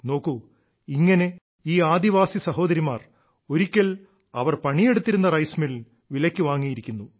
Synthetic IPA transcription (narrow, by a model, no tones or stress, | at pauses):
no̞ːkːu | iŋːɐne̞ | iːaːd̪iʋaːsisɐɦo̞ːd̪ɐɾimaːr | o̞ɾikʲːɐl | ɐʋɐrpɐɳije̞ɽut̪ːiɾunːɐrɐjsmil | ʋilɐkʲːuʋaːŋːijiɾikʲːunːu